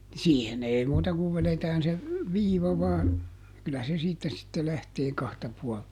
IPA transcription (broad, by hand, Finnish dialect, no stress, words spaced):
siːhen ei muːtɑ kuʋ ʋeletæːn se ʋiːʋɑ ʋɑːn kylːæ se siːtːæ sitːe læhteː kɑhtɑ puɔltɑ